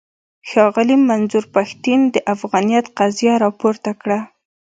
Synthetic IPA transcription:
xɑɣɪlimanzuɾpaxt̪ind̪əʔafɣɑnijat̪qazjaɾɑpoɾt̪akɽa

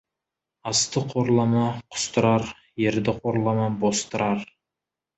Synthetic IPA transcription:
ɑst̪əqʰoɾlˠɑmɑqʰʊ̥st̪ɾɑɾ | jeɾd̪ɪqʰoɾlˠɑmɑbost̪ɨɾɑɾ

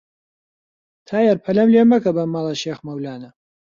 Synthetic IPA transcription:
t̪ʰaːjɐɾpʰɐlɐmleːmɐkɐbɐmɑːlˠɐʃeːxmɐwlaːnɐ

